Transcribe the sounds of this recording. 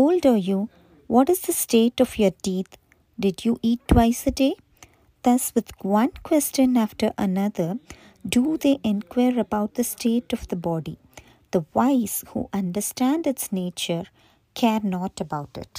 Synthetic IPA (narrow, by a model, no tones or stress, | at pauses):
oːlɖəju | ʋɔʈɪzd̪əsʈeːʈɔfjəɾʈiːt̪ | ɖɪɖjuːʔiːʈːwaɪsəɖeː | d̪̥ʌsʋɪd̪ʋʌ̃nkwɛst͡ʃə̃næfʈəɾʔə̰nʌd̪əɾ | ɖud̪eʔɛ̃nkʰwaɾəbaʊʈ̚d̪əsʈʰeːʈɔvd̪əbɔːɖḭ | d̪̥əʋaɪz̥hṵːʔʌ̃nɖəsʈæ̃nɖɪtsneːt͡ʃəɾ | kʰɛɾnɔːʈəbaʊʈɪ̰ʈ